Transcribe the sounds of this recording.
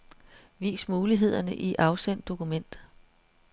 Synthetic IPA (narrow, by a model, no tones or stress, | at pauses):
ʋḭːsmuːliɦe̝ð̞̰ˠɐnəʔiʔɑ̈ʊsen̰d̥o̝kumen̰d̥